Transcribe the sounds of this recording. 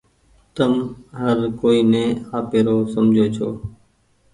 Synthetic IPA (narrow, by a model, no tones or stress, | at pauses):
t̪əmɦəɾkoːiːnẽːaːpeːɾoːsəmd͡ʒʱoːt͡ʃʰoː